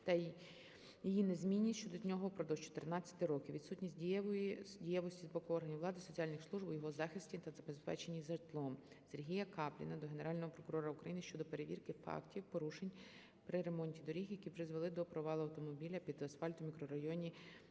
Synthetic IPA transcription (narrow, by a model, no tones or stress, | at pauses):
t̪ɐ | jijinezmʲinʲːit͡ʃɔd̪ɔnʲɔɦɔpɾɔd̪ɔwt͡ʃɔ̥t̪ernɑt͡sʲːɐ̥t̪ɪɾɔkʲiwʋʲid̪sutʲnʲisʲt̚ʲdʲijɔjidʲijɛʋɔsʲtʲizbɔkʊɔrɦɐnʲiwʋlˠɑd̪ɪsɔt͡sʲialʲnɪxslˠuʒbʊjɔɦɔzɑxɪsʲtʲit̪ɐzɐbespɛ̰t͡ʃe̞nʲizɐt̪lˠɔm | serɦʲijɐkɑplʲḭnɐd̪ɔɦeneɾɑlʲnɔɦɔpɾɔkʊɾɔɾɐʊkɾɐjinɪʃt͡ʃɔd̪ɔpe̞ɾeʋʲḭrkɪfɑ̰ktʲiwpɔɾuʃenʲ | pɾɪɾe̞mɔnʲtʲid̪ɔɾʲixjɐkʲipɾɪzʋelˠɪd̪ɔpɾɔʋɑlˠʊɐwt̪ɔmɔbʲilʲɐpʲid̪ɐsfɑlʲt̪ʊmʲikɾɔɾɐjɔnʲi